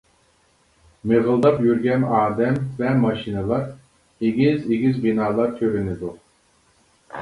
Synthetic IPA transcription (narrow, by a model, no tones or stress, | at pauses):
meɣɯlˠd̪apjyɾɡʲɛnaːd̪ɛmvɛmaʃinalˠaɾ | iɡiziɡizbinaːlˠaɾt̪ʰøɾynid̪uɾ